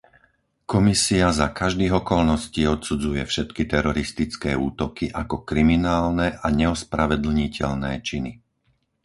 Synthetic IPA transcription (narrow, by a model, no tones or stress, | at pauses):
kɔmisiazakaʒd̪iːɣɔkɔlnɔsciːɔt̪sud͡zujɛfʃɛt̪kit̪ɛɾɔɾist̪it͡skɛːuːt̪ɔkiʔakɔkɾiminaːlnɛʔaɲɛɔspɾaʋɛd̪l̩ɲicɛ̰ʎnɛːt͡ʃini